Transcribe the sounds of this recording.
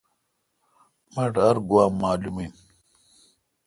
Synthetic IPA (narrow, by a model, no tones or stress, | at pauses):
mɐʈɐɾɡwaːmːaːlumin